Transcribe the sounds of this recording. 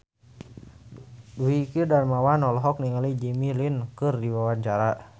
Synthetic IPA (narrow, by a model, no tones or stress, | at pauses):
wikirdanmawanɔlɔɦɔk̚niŋalid͡ʒimilinkɨrdiwawant͡ʃaɾa